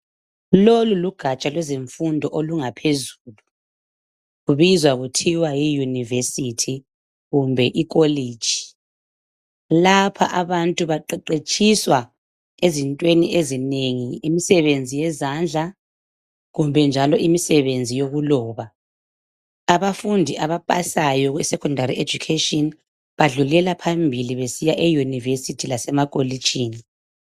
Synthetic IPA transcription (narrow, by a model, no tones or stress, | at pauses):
loluluɡ̥ʱat͡ʃʼalwɛzeɱfundʱɔʔoluŋapʰezuːlu | ɣuβizwaɣutʰiwajijunivesitʰi | ɣumbʱɛʔik̬ʼoliːd̥ʒ̥ʱi̥ | lapʰa̰ʔaβantʼuβaǃɛǃet͡ʃʼiswa | ezintʼweniʔezineŋiemisɛβend͡zʱijɛzand͡ɮʱa | ɣumbʱɛnd͡ʒʱalɔʔimisɛβend͡zʱijoɣulɔːβa | βafundʱiʔaβapʼa̰sajɔɣwɛsɛkʰɔndʱariʔed͡ʒukʰetʼɔn | βaɮulɛlapʰambʱiliβesijaʔɛjunivesitʰilasɛmakʼoli̥t͡ʃʼiːni